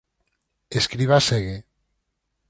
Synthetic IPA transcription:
eskɾiβaseɣe

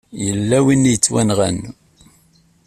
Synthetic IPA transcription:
jəlːæwinːijət͡sːwænʁæn

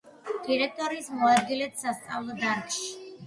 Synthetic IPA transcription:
d̪̥iɾɛk̚t̪ʼɔɾiːsmɔad̪̚ɡilɛt̪ʰsast̪sʼavlˠɔd̪aɾkʼʃi̥

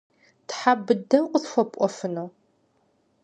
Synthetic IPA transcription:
tħabɨdɐmqʷʊsxʷɔpʷʼɔfɨnoː

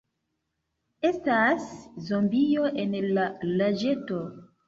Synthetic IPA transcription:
estaszombijoʔenlalad͡ʒeto

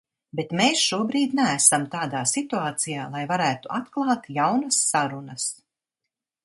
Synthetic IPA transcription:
bet̪meːsʃuɔbɾiːd̪næːsamt̪aːd̪aːsit̪uaːt̪sijaːlˠajvaɾæːt̪uʔat̪klˠɑːt̪jawnɐsːaɾunɐs

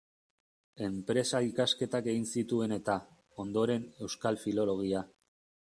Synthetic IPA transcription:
e̞mpɾe̞saikaske̞t̪ake̞ɣinsit̪ue̞ne̞t̪a | o̞nd̪o̞ɾe̞ne̞wskalfilo̞lo̞ɣ̞ia

